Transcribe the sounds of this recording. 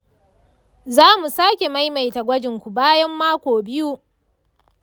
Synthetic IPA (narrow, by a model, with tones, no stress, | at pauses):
zaː˦mu˨saː˦kʲe˨ma˦jma˨jta˨ɡʷɐ˦d͡ʒɪ˨ŋkʷu˨baː˦jɐ˦mːaː˦kʷoː˨bɪ˦ju˦